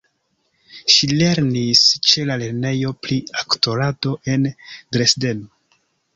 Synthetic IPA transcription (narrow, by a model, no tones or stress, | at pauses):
ʃile̞ɾnist͡ʃe̞lale̞ɾne̞jo̞pɾiakto̞ɾado̞ʔe̞ndɾe̞sde̞no